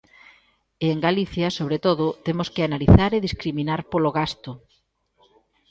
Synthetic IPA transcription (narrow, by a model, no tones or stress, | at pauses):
eːŋɡaliθjɐsoβɾet̪oðʊt̪emʊskɪanaliθaɾeðiskɾiminaɾpoloɣast̪ʊ